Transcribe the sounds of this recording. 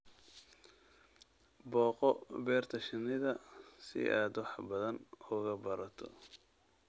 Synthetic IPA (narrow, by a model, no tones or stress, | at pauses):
bɔːqɔbɛːrt̪ʰɐʃɪnɪðɐsɪ̰ʔa̰ːd̪wɑħbɐðɐnɔɣɐbɐɾɐt̪ʰɔ̰